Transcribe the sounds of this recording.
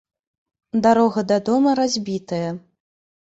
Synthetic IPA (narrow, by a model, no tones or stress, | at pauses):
d̪aɾɔɣɐd̪ɐd̪ɔmɐɾazʲbʲit̪ɐjɐ